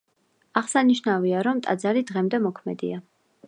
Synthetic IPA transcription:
aʁsaniʃnaviaɾɔmt̪ʼa̰d̪zaɾid̪ʁɛmd̪ɛmɔkʰmɛd̪ḭa

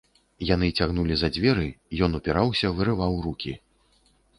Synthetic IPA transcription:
jan̪ɨt͡sʲaɣnulʲizɐd͡zʲvʲɛɾɨjɔnupʲiɾawsʲɐvɨɾɨvawrukʲi

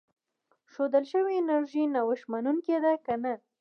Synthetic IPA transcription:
ʃod̪əlʃəwiːnaɾʒinawəʃmanuŋked̪akana

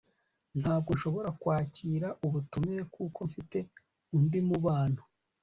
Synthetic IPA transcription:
n̥haːb̚ɡonʃo̞βo̞ɾakwaːciːɾaʔuβutumeekuːko̞ɱfite̞ | undimuβaːn̥hu̥

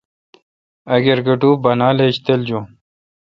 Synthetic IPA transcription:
ɐɡeɾɡɐʈuːbɐnaːleɕt̪eld͡ʑo

